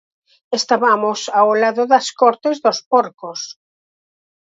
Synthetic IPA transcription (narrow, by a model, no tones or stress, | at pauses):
est̪aβamʊsawlaðʊðɐskɔɾt̪ezðospɔɾkos